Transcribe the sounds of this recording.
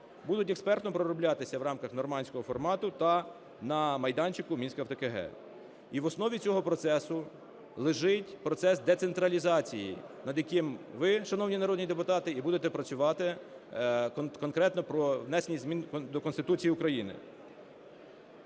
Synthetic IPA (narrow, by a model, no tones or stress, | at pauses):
bud̪ʊt̬ʲekspɛrt̪nɔpɾɔɾɔblʲat̪ɪsʲɐʋɾɑmkɐxnɔrmɑnʲsʲkɔɦɔfɔrmɑt̪ʊt̪ɐ | nɐmɐjd̪ɑnʲt͡ʃɪkʊmʲinʲsʲkɐft̪ekeɦɛ̰ | iʋɔsnɔʋʲit͡sʲɔɦɔpɾɔt̪sɛsʊ | lˠɪʒɪtʲpɾɔt̪sɛsd̪et̪sent̪ɾɐlʲizɑt͡sʲijḭnɐd̪jɐkɪmʋɪʃɐnɔwnʲinɐɾɔd̪̚ʲnʲid̪epʊt̪ɑt̪ɪibud̪et̪ɛpɾɐt͡sʲʊʋɑt̪ɪ | kkɔnkɾɛt̪nɔpɾɔʋnɛsenʲijzmʲind̪ɔkɔnst̪ɪt̪ut͡sʲijiʊkɾɐjinɪ̰